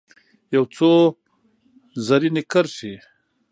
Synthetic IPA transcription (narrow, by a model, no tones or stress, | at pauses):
jawt͡so | zaɾinɪkaɾʃi